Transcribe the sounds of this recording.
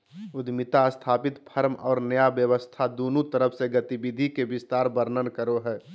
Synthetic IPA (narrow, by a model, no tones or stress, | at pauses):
ʊd̪mɪt̪ast̪ʰaːpɪt̪pʰəɾmɔːɾnəjabjəʋəst̪ʰad̪oːnut̪əɾəpʰseɡət̪ibid̪ʱikebɪst̪aːɾbəɾnənkəɾoɦɛː